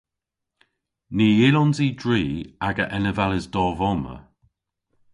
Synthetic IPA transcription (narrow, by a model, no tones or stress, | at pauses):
niːɪlɔnziːdɹiːaɡəʔɛnəvaləzd̥ɔːvɔmə̰